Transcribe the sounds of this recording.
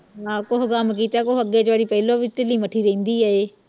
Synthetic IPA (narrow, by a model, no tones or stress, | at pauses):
ɦãːkoɦkaːmk̬iːt̪akoɦəɡet͡ʃaːɾipɛːlobiʈɪlĩːməʈʰiːɾɐĩːnd̪iːɦaeː